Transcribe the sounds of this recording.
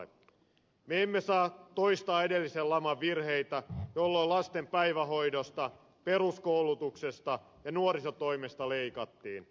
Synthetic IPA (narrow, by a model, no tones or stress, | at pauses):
e | meemːesɑːt̪o̞ist̪ɑːede̞lːisellɑmɑʋːirhe̞it̪æjolːoilɑst̪empæiʋæɦo̞jdost̪ɑ | pe̞ɾuskoulut̪ukse̞st̪ɑ | jɑnuoɾisɑt̪o̞imest̪ɑle̞ikɑt̪ːiːn